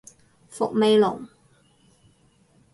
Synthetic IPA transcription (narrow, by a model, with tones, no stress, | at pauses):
fʊ˨k̚me˨jlʊ̰˨˩ŋ